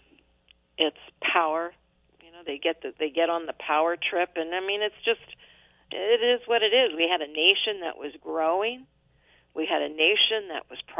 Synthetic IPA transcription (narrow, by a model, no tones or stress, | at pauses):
ɪtspʰaʊə˞ | jɨnoʊðeɪɡɛt̪̚ðɨðeɪɡɛɾn̩ðəpʰaʊə˞tʰɹ̥ɪpɨ̃naɪmĩnɨtsd̥ʒ̥ʌst | ɪɾɪzwʌɾɨɾɪzwiɨɾɨneɪʃɨ̃nðɨ̰ʔwʌzɡɹoʊɪ̃ŋ | wiɨɾɨneɪʃɨ̃nðɨ̰ʔwʌz̥pʰ